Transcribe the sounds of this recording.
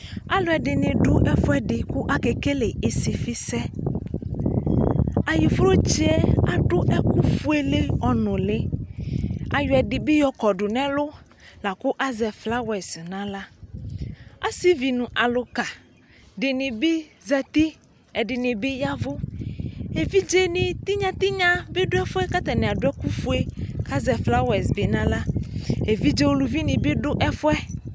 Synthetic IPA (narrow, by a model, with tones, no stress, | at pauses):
a˦lʊ˦ɛ˨dɪ˨nɪ̃˨ɖʊ˦ʔɛ˦fʊ˦ɛ˦dɪ˨kʊ˦ʔa˦ke˨ke˦le˨ʔɪ˨sɪ˨fi˦sɛ˦ | a˨ji˨fʊ˦ɾo˦t͡ʃi˦ɛ˦a˨ɖʊ˦ʔɛ˦kʊ˦fʊ˦e˦le˦ɔ˨nʊ̃˨lɪ˦ | a̰˨jʊ˨˦ɛ˨dɪ˨bɪ˦jɔ˦kɔ˨ɖʊ˨nɛ̃˦lʊ˦ | la˨kʊ˦ʔa˦zɛ˨fla˦wɛ˨snã˦la˦ | a̰˦si˦vi˨nũ˨ʔa˨lʊ˨ka˨ | ɖɪ˨nɪ̃˨be˦za˨t̪i˦ | ɛ˨ɖɪ˨nɪ̃˨be˦ja˦vʊ˦ | e˨vi˦d͡ʒe˦nɪ̃˨t̪i˦ɲã˨t̪i˦ɲã˦be˦ɖʊ˦ɛ˦fʊ˦ɛ˦ka˦t̪a˨nẽ˨a˨ɖʊ˦ɛ˦ku˦fu˦e˦ka˦zɛ˨fla˦wɛ˨sbe˨nã˦la˦e˨vi˦d͡ʒe˦wo˦lu˨vi˦nĩ˨be˦ɖʊ˦ʔɛ˦fʊ˦ɛ˦